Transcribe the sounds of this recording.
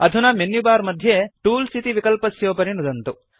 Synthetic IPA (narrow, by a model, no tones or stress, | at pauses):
ɐd̪ʱunɐmenːjubaːɾmɐd̪ʱjeʈuːlsʰit̪iʋikɐlpɐsjoːpɐɾinud̪ɐnt̪u